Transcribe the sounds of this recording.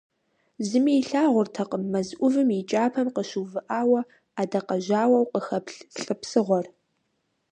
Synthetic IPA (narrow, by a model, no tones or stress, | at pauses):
zɨmijɬaːʁʷʊrtʰɐqəmːɐzʔʷʊvɨmit͡ʃʼaːpʰɐmqəʃuwvɨʔaːwɐ | aːdɐqɐʒaːwɐwqəxɐpɬɬʼɨpsɨʁʷɔr